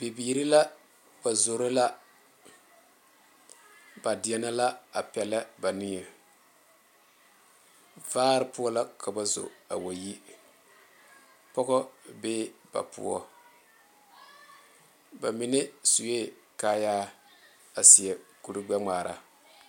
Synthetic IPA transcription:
bi˨biː˨ɾi˦la˦ | b̥a˨zo˨ɾo˦la˦ | ba˨dɪ˨ɛ˦na˦la˦a˨pɛ˨la˦ba˨nɪ˦ŋɛ˨ | vaː˦ɾɨ˦pu˦ɔ˦la˦kʰa˨ba˨zo̰˨a̰˨wo˨ji˦ | pɔ˦ɣɔ˦be˦b̥a̰˨pṵ˦ɔ̰˦ | ba˨mi˨nɛ˦su˨je˦kaː˦jaː˦ | a˨si˨ɛ˨ku˨ɾɨ˦ɡ͡ba˦ŋ͡maː˨ɾa̰˨

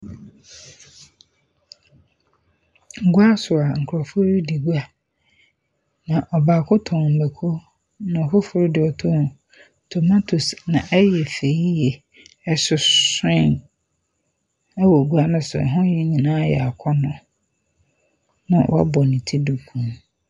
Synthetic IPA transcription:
ŋ̩˦ɡʊ˦a˦sʊ˨a˨ŋ̩˨kʰʊ˨ɾɔ˨fʊ˦ɾdi˨ɡu˦a˨ | nã˨ʔɔ˨baː˨kʰʊ˦tʰɔ̃˨m̩˨be˨kʰo˦ | nã˨ɔ˨fʊ˦fʊ˦ɾdɪ˨ɔ˨tʰɔ̃˦˨ | tʰo˨ma˦tʰu˨snã˨ʔɛ˦jɛ˨fe˨ji˦jɛ˨ | ɛ˦sʊ˨sɛ̃˦˨n | ɛ˦wɔ˨ɡu˦a˦nʊ̃˦sʊ̰˨ɛ̰˨ɦʊ̃˦jɛ˦ɲĩ˨nãː˦jɛ˨a˨kʰɔ˦nʊ̃˨ | nã̰˦wʔa̰˦bɔ˨nĩ˨tʰi˦du˨kʰũ˨m

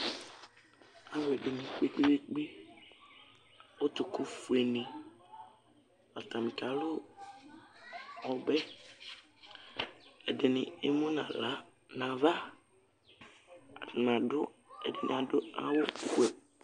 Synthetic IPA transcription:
a˦wɛ˨dɪ˨nɪ̃˨k͡pe˦k͡pe˦we˦k͡pe˦ | wʊ˦t̪ʊ˨kʊ˦fu˨e˨nĩ˨ | a˨t̪a˨mɪ̃˨ka˨lʊ˦ | ɔ˨bɛ˦ | ɛ˨dɪ˨nɪ˨e˦mũ˦nã˨la˦ | nã˨va˦˨ | nã˨dʊ˦ɛ̰˨dɪ˨n̰˨a˨dʊ˦a̰˦wʊ˦˨wɛ˨

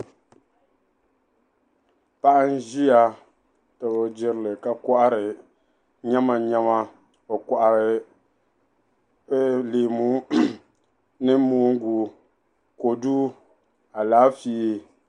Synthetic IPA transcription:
pa˦ʔa˦n˦ʒi˦ja˨ | tɨ˨bɔ˨d͡ʒɪ˦ɾɨ˦lɨ˨ka˨kɔ˦ʔa˦ɾɨ˨ | ɲɛ˦ma˨ɲɛ˦ma˦ | o˨kɔ˨ʔa˨ɾɨ˨˦ | leː˨mu˦ | nɨ˦muː˦ŋ̩˦ɡu˨˦ | ko˨du˦ | a˨laː˨˦fiː˦

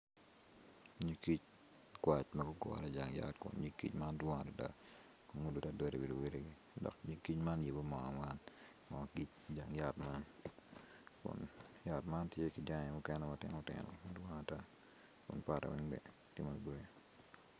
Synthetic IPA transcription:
ɲi˦ki˦t͡ʃ | kwa˨t͡ʃmɐ˦ɡʊ˦ɡɔ̰˨ɾɛ˦d͡ʒa˨ŋja̰˦tkʊ̰˨nɲi˦kḭ˦t͡ʃma˦ndwɔ˦ŋa˨ta˨da̰˦ | ko˨ŋu˦du˨ta˦dɛ˦ɾe˨wi˨lu˨we˦le˦ɡi˦ | dɔ̰˨kɲi˦ki˦t͡ʃma˦nje˨bo˦mɔ̰˨ŋa̰˨ŋa˦n | mɔ˨ki˦t͡ʃd͡ʒa˨ŋja˦tma˦n | kʊ̰˨nja˨tma˦ntje˦ki˨d͡ʒa˦ŋɛ˨mʊ˦kɛ˦nɛ˦matɪ˦ŋotɪ̰˨no̰˨madwɔ˦ŋa˨ta˦ | kʊ̰˨npa˨ta̰˨wɪ˦ŋbɛ̰˨ | tɪ˦mo˨bɾo˦je

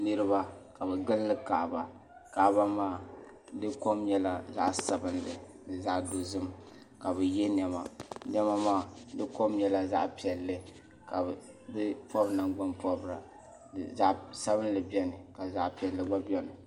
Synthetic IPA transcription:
nɨ˦ɾɨ˦ba˦ka˨bɛ˨ɡɨ˦llɨ˦ka̰˨ʔba˨ | ka˨ʔba˦maː˦˨ | dɨ˦ko˦mɲɛ˦la˨za̰˦ʔsa˨bɨ˦nlɨ˨ | dɨ˨za˦ʔdo˨zɨ˦m | ka˨bɛ˨jɛ˦n˦ɛ˦ma̰˨nɛ˦ma˦maː˦˨dɨ˦ko˦mɲɛ˦la˦za̰˦ʔpi˨ɛ˨lːɨ˦ | ka˨ | dɨ˦pɔ˦bna˨ŋɡ͡ba˦npɔ˦bɾa̰˨ | za˦ʔsa˦βɨ˦n˦lɨ˨bi˦ɛ˦nɨ˨ka˨za˦ʔpi˨ɛ˨lːɨ˦ɡ͡ba˦bɔ˦nɨ˨

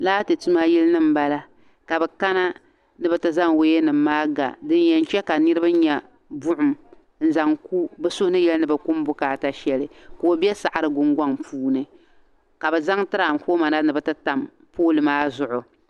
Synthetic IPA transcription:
laː˦tɨ˨tu˦ma˦ji˦lnɨ˦m̩˨ba˦la˦ | ka˨bɛ˨ka˦na˦ | nɨ˨bɨ˦tɨ˦za˦ŋwe˦je˦nɨ˨m̩ːaː˦ɡa̰˨dɨ˦njɛ˨n̩˦t͡ʃɛ˦ka˨nɨ˦ɾɨ˦ba˦ɲɛ˨ | bʊ˦ʔʊ˨m | n̩˦˨za˨ŋku˦bɨ˦sʊ˦hnɨ˦jɛ˦lnɨ˨bɨ˨ku˦m˦bʊ˦kaː˨ta˦ʃɛ˦lɨ˨koː˨˦bɛ˦sa˨ʔa˨ɾɨ˦ɡʊ˦ŋɡʷa˦ŋpuː˦nɨ˨ | ka˨bɛ˨za˦ŋtɨ˦ɾa˨m˨ko˦ma˨na˦nɨ˨bɨ˨tɨ˦ta˨m | poː˦lɨ˨maː˦zʊ˨ʔʊ˨

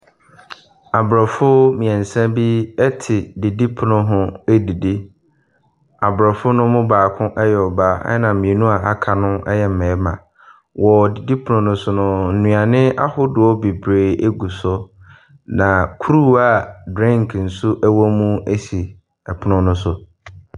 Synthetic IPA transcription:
a˨bɾɔ˨fʊ˦mĩ˨ɛ̃˨n̩˨sɛ̃˦bi˦ɛ˦tʰɪ˨di˨di˦pʰʊ˨nʊ̃˦ɦʊ̃˦e˦di˨di˦ | a˨bɾɔ˨fʊ˦nʊ̃˦mʊ̃˦baː˨kʰʊ̃˦ʔɛ˦jɛ˨ɔ˨ba̰˦nã˨m̩˨mĩ˨e˨nũ˦a˨ʔa˨kʰa˨nʊ̃˦ɛ˦jɛ˨m̩˨mɛ̃˨˦mã̰˨ | wɔ˨di˨di˦pʰʊ˨nʊ̃˨nʊ̃˦sʊ˦nʊ̃˦n̩˨nũ˨a˨nɪ̃˦a̰˦hʊ˦dʊ˨ɔ˦be˨bɾeː˨e˦ɡu˨sɔ˦ | nã˨kʰu˦ɾu˦a˦˨dɾɪ̃˦ŋkʰn̩˨sʊ˦ʔæ˦wɔ˦mũ˦e˦si˨ | ɛ˨pʰʊ˦nʊ̃˦nʊ̃˦sʊ˨

